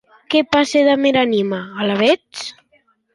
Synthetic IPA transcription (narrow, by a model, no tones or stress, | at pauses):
kepaseðameɾanimaːlaβet͡s